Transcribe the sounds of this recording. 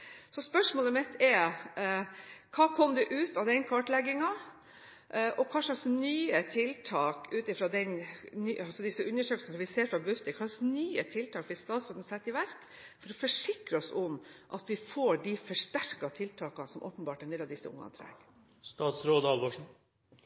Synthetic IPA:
sɔspœʂmoːləmɪt̪ʰːɛɾ | kʰɑːkʰɔmd̪ɛʔʉːt̪ɑʋd̪ɛnkʰɑːʈlɛɡːɪŋɑ | ʔʔɔkʰɑʂlɑsnyːət̪ʰɪlt̪ʰɑːkʉːt̪ɪfɾɑːd̪ɛnnyɑlsɔd̪ɪsəʔʉnːəʂøːkl̩sn̩sɔmʋɪseːɾfɾɑbʉt̪ːəkɑʂlɑksnyːət̪ʰɪlt̪ʰɑːkfɪst̪ɑːt̪sɔnən̩sɛt̪ːɪʋæɾk | fɔɾɔfɔʂɪkɾəɔsɔmʔɑt̪ʋɪfoːɖɪfɔʂʈæɾkɑt̪ʰɪlt̪ʰɑːkɑnsɔmʔo̰ːpənbɑːʈɛnd̪eːlːɑd̪ɪsːə̰ʊ̰ŋːɑ̰nt̪ʰɾæ̰ːŋ | st̪ɑːt̪sɾoːd̪ɑːlʋoːʂ̩

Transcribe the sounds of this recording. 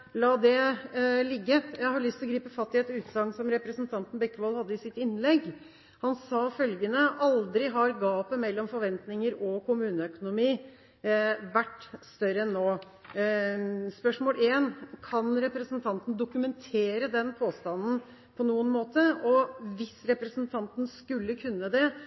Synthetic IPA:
lɑːd̪ɛlɪɡːəjæɪhɑɾɭʏst̪ʰlɔɡɾiːpəfɑst̪ːɪet̪ɔʉːt̪sɑŋsɔmɾɛpɾəsənt̪ʰɑnt̪n̩bɛkːəʋɑlhɑd̪ːəɪsɪt̪ɪnːlɛɡ | hɑnsɑːfœlɡənəʔɑld̪ɾɪɦɑɾɡɑːpəmɛlːɔmfɔɾʋɛnt̪nɪŋəɾɔkʊmʉːnəœkʊnʊmiː | ʋæʈːst̪œɾəɛnːoː | spœʂmoːlʔeːnkʰɑnɾɛpɾəsənt̪ʰɑnt̪n̩d̪ʊkʉmɛnt̪ʰeːɾəd̪ɛnpʰoːst̪ɑnn̩ | pʰɔnuːənmoːt̪əɔʋɪsɾɛpɾəsənt̪ʰɑnt̪n̩skʉlːəkʰʉnːəd̪ɛ

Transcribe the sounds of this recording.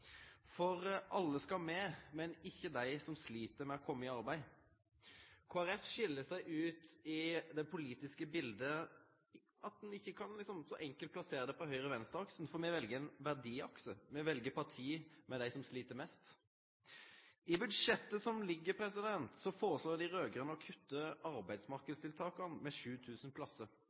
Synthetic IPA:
fɔɾʔɑlːəskɑmɛːmɛnɪçːəd̪æɪsɔmsliːt̪əɾmɛɔkʰɔmːəɪɑɾbæɪ | kʰoːæɾɛfʃɪlːəsæɪʔʉːt̪ɪd̪ɛpʰʊliːt̪ɪskəbɪld̪ə | ɑt̪̚d̪ɛnɪçːəkʰɑnlɪksɔmsɔʔɛŋkəlt̪̚pʰlɑseːɾəd̪ɛpɔɦœʏɾəʋɛnst̪ɑksn̩fɔɾmɛʋɛlɡəɛnʋæʁd̪iːɑksəmɛʋɛlɡəpʰɑʁʈʰiːmɛd̪æɪsɔmsliːt̪əɾmɛst̪ | ɪbʉd̪ʂɛt̪ːəsɔmlɪɡːəpʰɾɛsɪd̪ɛnt̪sɔfoːʁəsloːd̪ɪɾøːɡəʁənəɔkʰʉt̪ːəɑɾbæɪd̪smɑʁkəd̪st̪ɪlt̪ʰɑːkɑnmɛʂʉːt̪ʰʉːsənpʰlɑsːəɾ

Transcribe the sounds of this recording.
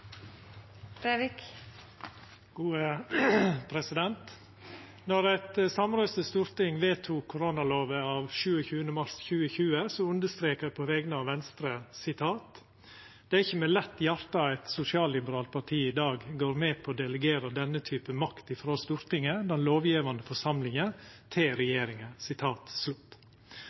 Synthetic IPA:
ɾeʋɪk | ɡ̥uːə | pʰɾɛsɪd̪ɛnt̪ | nɔɾæt̪əsɑmɾøːsəst̪ʊɾt̪ɪŋʋeːt̪ʰuːkʰːʊɾonɑloːʋəɑːʋʃʉːəçʉːənəmɑɾsçʉːəçʉːəsɔʉnd̪əst̪ɾeːkəpʰɔʋɛɡnəɑːʋʋɛnst̪ɾəsɪt̪ʰɑːt̪ | d̪̥ɛæɾɪçːəmɛlɛt̪ːjɑɾt̪ɑæɪt̪sʊsɪɑːllɪbəɾɑːlpʰɑʈʰiːɪd̪ɑːɡɡoːɾmɛːpʰɔoːd̪ɛləɡeːɾəd̪ɛnːət̪ʰyːpəmɑkt̪ɪfɾoːst̪ʉɾt̪ɪŋəd̪ɛnloːʋjiːʋɑnd̪əfɔʂɑmlɪŋət̪ʰɪlɾɛjeːɾɪŋəsɪt̪ʰɑːt̪slʉt̪ː

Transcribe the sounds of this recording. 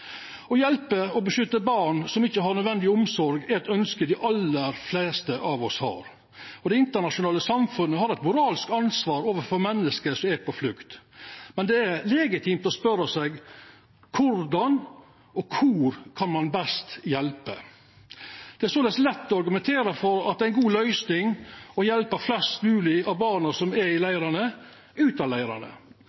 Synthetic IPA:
ɔjɛlpəɔbəʃʏt̪ːəbɑɾɳsɔmɪçːəɦɑɾnœd̪ʋɛnd̪ɪʊmsɔɾɡɛɛt̪œnskəd̪ɪʔɑlːəɾfleːst̪əʔɑʋɔshɑ̰ːɾ | ɔd̪ɛɪnt̪əɳɑʂʊnɑːləsɑmfʉnːəɦɑɾɛt̪mʊɾɑːlɪsk̪ɑnsʋɑːɾoːʋəfɔɾmɛnːəskəsɔmɛɾpʰɔflʉkt̪mɛnd̪ɛæɾlɛɡɪt̪ʰimt̪ɔspœɾəsɛɡ | kʰʊɾd̪ɑn | ʔɔkʰuɾkʰɑnmɑnbɛst̪jɛlpə | d̪̥ɛæɾsoːd̪ɛslɛt̪ːɔɑɾɡʉmɛnt̪ʰeːɾəfɔɾɑ̰t̪̚d̪ɛæɪnɡuːlœʏsnɪŋɔjɛlpəflɛst̪mʉːlɪɑʋbɑːɳəsɔmɛɾɪlæɪɾɑɳə | ʉːt̪ɑlæɪɾɑ̰nə̰

